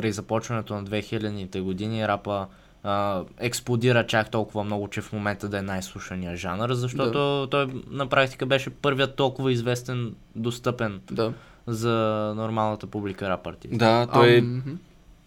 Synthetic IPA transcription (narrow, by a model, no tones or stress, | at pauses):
pɾɛzɐpɔt͡ʃvɐnɛt̪onɐd̪vɛxilʲɐd̪nit̪ɛɡod̪iniɾapə | ɛksplˠod̪iɾət͡ʃakt̪ɔlˠkʊvəmnɔɡʊt͡ʃɛfmomɛnt̪əd̪ɐɛnajslˠuʃɐnijəʒanəɾzɐʃt̪ɔt̪ot̪ɔjnɐpɾak̚t̪i̥kəbɛʃɛpɤɾvijət̪ːɔlˠkʊvəizvɛst̪ɛn | d̪ost̪ɤpɛn | zɐnoɾmalˠnət̪əpublikəɾapəɾt̪ḭːt̪d̪aɔj